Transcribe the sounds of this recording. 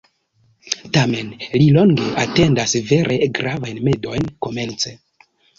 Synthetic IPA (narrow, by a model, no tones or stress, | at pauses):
tame̞nlilo̞ŋɡe̞ʔate̞ndasve̞ɾʔeɡɾavajnme̞do̞jnko̞me̞nt͡se